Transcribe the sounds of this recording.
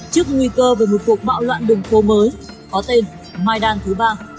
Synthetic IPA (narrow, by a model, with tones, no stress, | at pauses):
t͡ɕɨ˦˥ək̚ŋwi˧kəː˧veː˨˩˦jmo˨˩t̚ku˨˩ək̚ɓa̰ː˧˨wlwa̰ː˧˨nɗɨ˨˩ŋt̪ʰo˨˦məː˨˦j | kɔ˨˦t̪e˧n | maː˧jɗaː˧nt̪ʰɨ˨˦ɓaː˧